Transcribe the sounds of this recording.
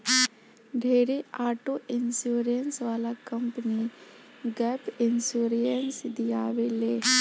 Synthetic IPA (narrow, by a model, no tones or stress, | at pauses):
ɖʱeːɾeaːʈoɪnsuːɾijənsʋaːlakɐmpəni | ɡɛpɪnsuːɾijənsd̪ijaːʋeleː